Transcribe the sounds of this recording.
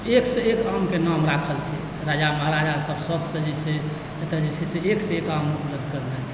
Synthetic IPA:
eksəekamkenamɾakʰəlt͡ʃʰɛ | ɾad͡ʒaməɦɾad͡ʒasəbsəɡsə̃d͡ʒɛse | et̪əd͡ʒisʰɛseekseekamupɾəd̪ʱkəɾnɛlt͡ʃʰɛ̥

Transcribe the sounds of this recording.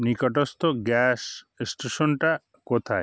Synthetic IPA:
nikɔʈ̬ost̪oɡɛs | sʈeʃonʈa | kot̪ʰae

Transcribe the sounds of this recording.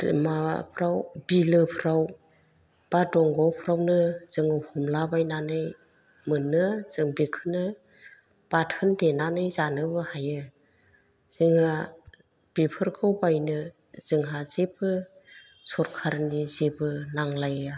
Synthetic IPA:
mapʰɾawbilɯpʰɯɾaw | b̥adɔŋɡɔwpʰɾawnɯz̥ɯŋɯhumlabajnanɯj | mɯnːɯz̥ɯŋbikʰɯnɯ | b̥atʰɯndenanɯjzanɯbɯhajɯ | z̥ɯŋha | b̥ipʰɯɾkʰɯwbajnɯ | z̥ɯŋɦazebɯ | sɔɾkʰaɾnizebɯnaŋlaja

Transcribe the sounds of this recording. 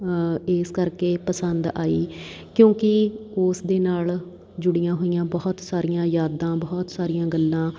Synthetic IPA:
eːskəɾkeːpəsənd̪aːḭː | kjõːkɪʊsd̪eːnaːl | d͡ʒʊɽijãːɦoːijãːbɔːt̪saːɾijãːjaːd̪ãːbɔːt̪saːɾijãːɡəlːãː

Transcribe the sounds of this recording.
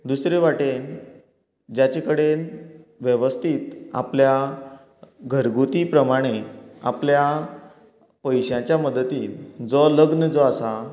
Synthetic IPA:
d̪usɾeʋaʈen | d͡ʑat͡ɕekəɽenʋjəʋəst̪ʰiːt̪a̰plja | ɡʱəɾɡut̪ipɾəmaɽ̃ea̰plja | pəjɕjãt͡ɕjaməd̪ət̪iːld͡zɔləɡnəd͡zɔasa

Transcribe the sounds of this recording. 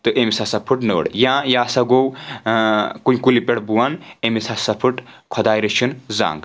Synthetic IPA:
t̪ɨʔemisasɐpʰɨʈnə̰ɽjãːjaːsɐɡow | kunʲkulipeɽbuwanemisasɐpʰɨʈkʰod̪aːjɾit͡ʃʰinza̰ːŋɡ

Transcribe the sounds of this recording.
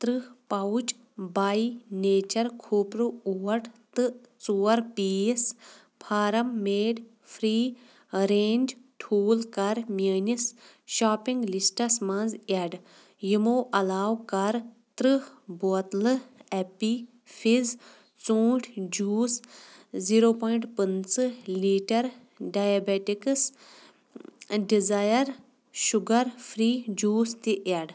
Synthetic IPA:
t̪ɾɨhpɐut͡ʃ | baːineːt͡ʃɐɾkʰuːpɾuuːɐɾʈt̪ɨ | t͡suːɐɾpiːs | pʰaːɾɐmːeːɖ | fʰɾiː | ɾeːnʲd͡ʒʈʰuːlkɐɾmjəːnis | ʃaːpiŋɡlisʈɐsmãnzɐɖ | jimoːʔɐlaːwkɐɾ | t̪ɾɨbot̪lɨɛpi | fiz | t͡soːʈʰd͡ʒuːsziɾoːpɔːjɳʈpənt͡sɨliːʈɐɾ | ɖaːjabeʈiks | ɖizajɐɾ | ʃuɡɐɾfɾiːd͡ʒuːst̪iʔaɖ

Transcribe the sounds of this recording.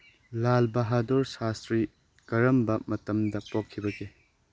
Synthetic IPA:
lalbɐɦadoɾsastɾi | kɐɾɐmbɐmɐtɐmdɐpokʰːibɐɡe

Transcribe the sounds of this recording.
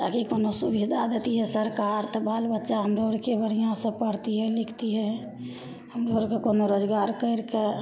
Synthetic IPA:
t̪a̰kikonosubid̪ʱad̪et̪iɦɛsəɾkaɾt̪ɔbʱalbətːʃaɦəmɾoɽkebəɽijãsə̃pəɽt̪iɦɛlɪkʰt̪iɦɛ | həmɾoɾkekonoɾod͡ʒɡaɾkəɪɾke

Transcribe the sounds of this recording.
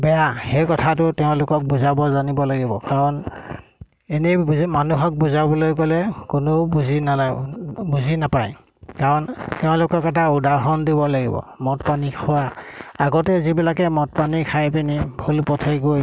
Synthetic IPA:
bɛjaxejkɔtʰatʊtɛʊ̃lʊkɔk̚buzabɔzanibɔlaɡibɔ̰kaɹɔn | enemanuɦɔk̚buzabɔlojkɔlɛkʊnobuzinaabuzʱinapaj | kaɹɔntɛʊ̃lʊkɔkɛtaudaɹɦɔndibɔlaɡḭbɔ̰mɔtpanikʰɔwaaɡɔtɛzibilakɛmɔt̚panikʰajpinibʱulpɔtʰɛɡoj

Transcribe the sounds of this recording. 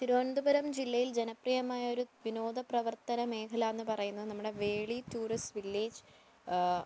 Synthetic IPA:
t̪iɾuond̪ubɐɾɐmd͡ʑilːɐjild͡ʑe̞nɐprijɐmaːjɐo̞ɾuʋino̞ːd̪ɐprɐʋɐrt̪ɐnɐme̞ːkʰɐlaːenːɨpɐrɐjunːɐðɨnɐmːuɽe̞ʋe̞ːɭitːuːrisʋilːiːd͡ʑ

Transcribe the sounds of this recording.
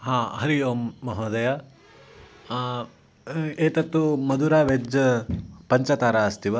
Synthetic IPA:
ɦãːɦɐɾijoːmːɐɦɐːd̪ɐjaː | eːt̪ɐt̪ːumɐd̪uɾaːʋed͡ʒ | pɐɲt͡ʃɐt̪aːɾaːɐst̪iʋɐ

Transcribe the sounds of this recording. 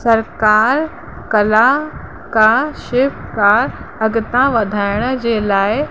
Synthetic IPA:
sɐɾkaːɾ | kɐla | kaʃɪʋkaːɾɐɡt̪ãʋɐd̪ʱaːɪɽ̃d͡ʑeːlaːɪ

